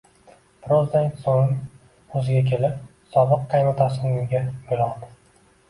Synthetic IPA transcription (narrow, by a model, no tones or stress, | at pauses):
pʰɾozd̪ansoŋ | ɵzɪɡʲakʲʰe̞lɪpsɒbɨqːɑjmat̪ʰasɪnɪɡʲaojlˠɒd̪ɪ̥